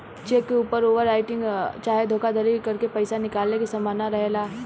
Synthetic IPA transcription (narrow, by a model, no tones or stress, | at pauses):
t͡ʃeːkːeuːpəɾoːʋəɾːaːɪʈɪ̃ŋɡt͡ʃaːɦed̪ʱoːkad̪ʱəɾikɐɾkepɐɪsanɪkaːlnekesɐmaːnaɾɐɦelaː